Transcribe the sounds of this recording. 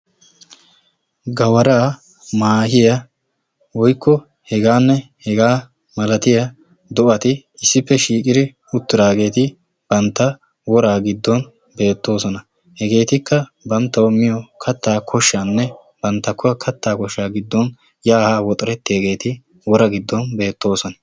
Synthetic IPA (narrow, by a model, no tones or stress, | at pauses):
ɡɐwɐɾaː | maːhɪjɐ | wɔjkʰːɔ | hɛɡaːnːɛ | hɛɡaː | mɐlɐt̪ɪjɐ | d̪ɔʔɐt̪ɪ | ɪsːɪpːɛʃiːkʼɪd̪ɪ | ʊt̪ːɪɾaːɡe̞ːt̪ɪ | b̥ɐnt̪ːɐ | wɔɾaːɡɪd̪ːɔn | be̞ːt̪ːo̞ːsɔnɐ | hɛɡe̞ːt̪ɪkːɐbɐnt̪ːɐwɔmːɪjɔkʰɐt̪ːaːkʰɔʃːanːɛ | b̥ɐnt̪ːɐkːɔɐkʰɐt̪ːaːkɔʃːaːɡɪd̪ːɔn | jaːhaːwɔt̪ʼɐɾɛt̪ːɪjɐɡe̞ːt̪ɪ | wɔɾɐɡɪd̪ːɔnbe̞ːt̪ːo̞ːsɔnɐ